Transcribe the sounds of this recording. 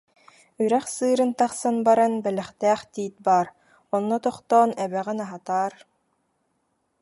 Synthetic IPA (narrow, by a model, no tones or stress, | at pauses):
yɾɛχsɯːɾɯnt̪aχsanbaɾanbɛlɛχt̪æːχt̪iːt̪̚baːɾ | ɔnːɔt̪ɔχt̪ɔːnɛβɛʁinaɦat̪aːɾ